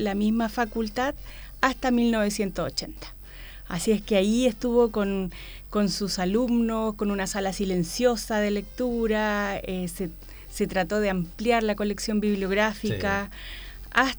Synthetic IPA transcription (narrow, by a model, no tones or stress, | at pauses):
lamizmafakult̪að | ast̪amilno̞βe̞sje̞nt̪osot͡ʃe̞nt̪ḁ | a̰sie̞skeajie̞st̪uβo̞ko̞n | ko̞nsusalumno̞sko̞nunasalasile̞nsjo̞saðe̞le̞k̚t̪uɾaese | se̞t̪ɾat̪o̞ðeampljaɾlako̞le̞ksjo̞mbiβljo̞ɣɾafika | as